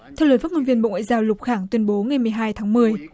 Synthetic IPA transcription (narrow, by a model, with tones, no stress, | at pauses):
t̪ʰɛ˧wləː˨˧˩faː˦˥t̚ŋo˧nvi˧əmɓo̰˧˨ŋwa̰ː˧˨jzaː˧wlʊ˨˩k͡p̚xaː˧˩ŋt̪wi˧ənɓo˨˦ŋa˨˩jmɨ˨˩əjɦaː˧jt̪ʰaː˨˦ŋmɨ˨˩əj